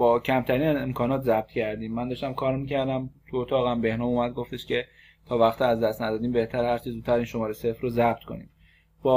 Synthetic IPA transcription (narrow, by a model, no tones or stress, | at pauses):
bɒːcʰæmt̪ʰæɾiːnzemkʰɒːnɒːt̪zæb̥̚t̪ʰcʰæɾd̪iːmːænd̪ɒʃt̪æmkʰɒːɾmicʰæɾd̪æmt̪ʰuot̪ʰɒːɣæmbe̞hnɒːmuːmæd̪̚ɡo̞ft̪e̞ʃce̞ | t̪ʰɒːvæxt̪iæzd̪æst̪næd̪ɒːd̪iːmbe̞ht̪ʰæɾhæɾt͡ʃʰizud̪t̪̚ʰːæɾiːnʃomɒːɾesefrozæb̥̚t̪kʰo̞̰nḭːm | b̥ɒː